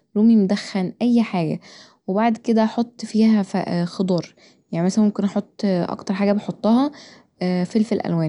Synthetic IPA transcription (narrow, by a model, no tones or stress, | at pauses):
ɾuːmimod̪æxːænʔæjːħaːɡæ̰ | webaʕd̪ked̪æʔɑħot̪ˤːfiːhæfæ̰xod̪ˤɑːɾˤ | jaʕnimæsæmomkenʔɑħot̪ˤːʔɑ̰kt̪ɑɾˤħaːɡæbeħot̪ˤːɑːhɑː | felfelʔæ̰lwæːn